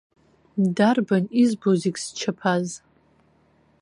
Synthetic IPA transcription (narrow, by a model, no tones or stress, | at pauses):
darbanizbozikʲʼst͡ʃʰapʰaz